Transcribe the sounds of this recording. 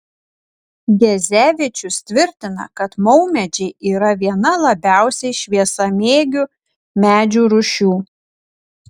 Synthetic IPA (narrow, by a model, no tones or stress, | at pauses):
ɡʲɛzʲæːʋʲɪt͡ʃʲʊst̪ʲʋʲɪɾʲt̪ʲɪnɐ̰kɐt̪mɒʊmʲɛd͡ʒʲɛɪʔiːɾɐʋʲiɛnɐlˠɐbʲæˑʊsʲɛɪʃʲʋʲiɛsɐmʲeːɡʲʊ | mʲæːd͡ʒʲuːɾʊʃʲuː